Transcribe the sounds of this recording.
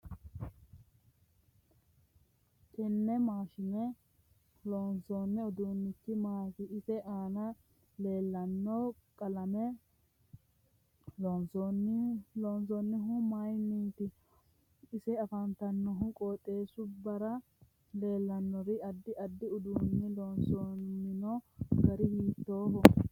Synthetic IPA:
kɛnːɛmaːʃɪnɛ | lɔnsoːnːɛɔd̪unːɪkːɪmaːkɪɪsɛʔaːnɐ | le̞ːlːɐnːɔkʼɐlɐmɛ | lɔnsɔnːɪlɔns̬ɔnːɪɦʊmajnint̪ɪ | ɪsɛɐfɐnt̪ɐnːɔɦʊkʼoːt̪ʼːe̞ːsʊbɐɾɐ | le̞ːlːɐnːɔɾɪɐd̪ːɪʔɐd̪ːɪʊd̪uːnːɪlɔːnsoːnːɪnɔɡɐɾɪhiːt̪ːo̞ːbɔ

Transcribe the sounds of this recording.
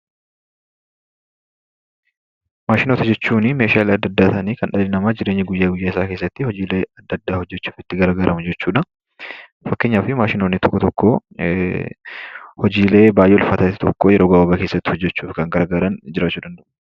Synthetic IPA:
maːʃɪno̞ːt̪ɐd͡ʒɛt͡ʃːuːnɪme̞ːʃaːleɐd̪ːɐd̪ːaːt̪ɐniːkɐnɗɐlɪnɐmaːd͡ʒɪɾe̞ːɲːɪɡʊjːaːɡʊjːaːɪsaːke̞ːs̬ːɐt̪ːɪhɔd͡ʒiːleːɐd̪ːɐd̪ːaːhɔd͡ʒːɛt͡ʃːu̥ːfɪt̪ːɪɡɐɾɐɡɐɾɐmʊd͡ʒɛt͡ʃːuːᶑɐ | fɐkːeɲːaːfɪmaːʃɪnoːnːɪt̪ɔkːɔt̪ɔkːoː | hɔd͡ʒiːle̞ːbaːjʔɛlfɐt̪ɐt̪ːɪ̥t̪ɔkːoːjɛɾo̞ːɡɐːwɐbɐke̞ːsːɐt̪ːɪhɔd͡ʒːɛt͡ʃːuːfkɐŋɡɐɾɡɐɾɐnd͡ʒɪɾaːt͡ʃːuːd̪ɐnd̪ɐʔʊ

